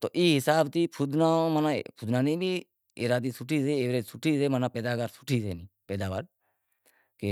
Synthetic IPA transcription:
t̪oːʔiːɦɪsaːbt̪iːpʰʊd̪naːmːnaːpʰʊd̪naːnĩːbiː | eːɾaːd̪iːsʊʈʰiːseːeːʋɾaːsʊʈʰiːseːmanãːpeːd̪aːɡaɾsʊʈʰiːsḛːnĩːpeːd̪aːʋaːɾ | ke

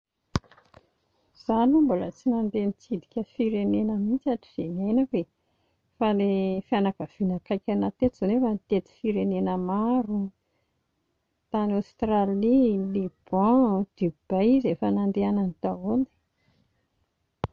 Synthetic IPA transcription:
z̥anumbalət͡sinand̪enit͡sid̪ikʲəfiɾenenəmint͡saʈ͡ʂi̥z̥enenake | falefianakəv̥inakajkʲanat̪et̪izanefanit̪et̪i̥fiɾenenəmaɾu | t̪anast̪ralilib̥ɑ̃d̪̥ib̥ejizefənand̪eananit̪aoni̥

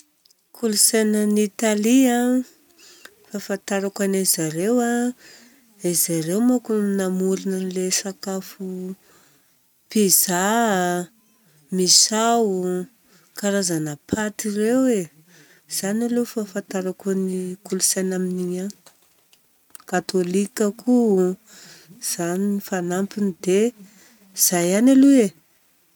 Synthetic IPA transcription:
kʰulusenənit̪alia | fafant̪aɾakanazaɾewa | azaɾewmakunamuɾinənlesakafu | piza | misau | kaɾazanapʰat̪irewe | z̥analufafant̪aɾakonikulusanaminiɲa | kat̪olikakʰu | z̥aninifanampinid̪e | z̥ajanalue

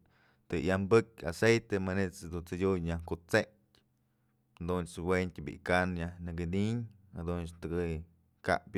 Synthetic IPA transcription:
t̪ɨjambɨkʲa̰sejt̪emanet͡sd̪ut͡sɨdʲuɲɲahkut͡setʲ | d̪unt͡swent̪ʲbḭʔkanjahnɨɡɨniɲ | had̪unt͡ʃt̪ɨɡɨ | ka̰ʔpʲ

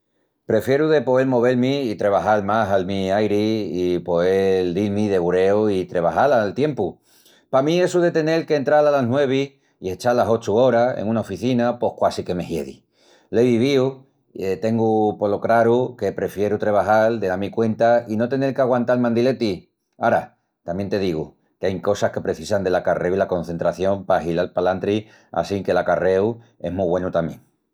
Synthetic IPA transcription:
pɾe̞fje̞ɾuðe̞po̞elmo̞β̞e̞lmiːt̪ɾe̞β̞aɦalmasalmiajɾiːpo̞eld̪ilmiðe̞ɣuɾe̞oit̪ɾe̞β̞a̰halalt̪je̞mpu | pamĩe̞suðe̞t̪e̞ne̞lkent̪ɾalalanwe̞β̞i | ie̞t͡ʃalaso̞t͡ʃuo̞ɾaḛŋunaofiθinapo̞hkwasike̞me̞hje̞̰ðḭ | leβiβiu | et̪e̞ŋɡupo̞lo̞kɾaɾuke̞pɾe̞fje̞ɾut̪ɾe̞β̞aɦald̪eamikwe̞nt̪aino̞t̪e̞ne̞lkeaɣwant̪almãnd̪ile̞t̪i | aɾa | t̪amje̞nt̪e̞ð̞iɣ̞u | keajŋko̞sahke̞pɾe̞θisand̪e̞lakare̞wilako̞n̟θe̞nt̪ɾaθjo̞mpaɦilalpalant̪ɾi | a̰siŋke̞lakare̞w | e̞̰ɦmuβwe̞nut̪amje̞ŋ

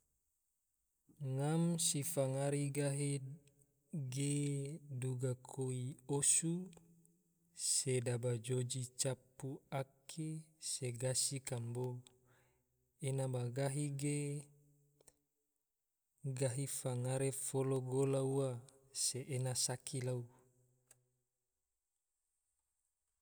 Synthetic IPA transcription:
ŋamsifaŋaɾiɡaɦi | ɡeduɡakʰoiosu | sedabad͡ʒod͡ʒit͡ʃapːuakʰeseɡasikambo | enabaɡaɦiɡe | ɡaɦifaŋaɾefoloɡolaua | seʔenasakʰilau

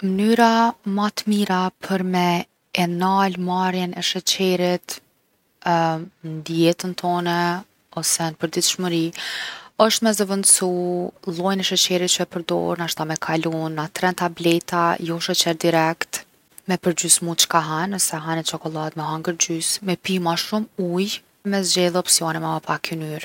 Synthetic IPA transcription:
mənyɾamat̪əmiɾapʰəɾmɛ | ɛnalmaɾjɛnɛʃət͡ɕɛɾit̪ | nd̪ijɛt̪ənt̪ʰɔnɛ | ɔsɛnəpəɾd̪it̪ʃməɾi | əʃt̪mɛzəvənd̪sulˠɔjnɛʃət͡ɕɛɾit̪̚t͡ʃəɛpəɾd̪ɔ̰ɾənaʃt̪amɛkʰalunːat̪ɾɛnt̪ablɛt̪ajɔʃət͡ɕɛɾd̪iɾɛkt̪ | mɛpəɾd͡ʑysmut͡ʃə̥kaɦanɔsɛɦanɛt͡ʃɔkɔlˠat̪mɛɦaŋɡəɾd͡ʑysmɛpimaʃumuj | mɛz̬zd͡ʑɛðˠɔpsiɔnɛmɛməpakynyɾ

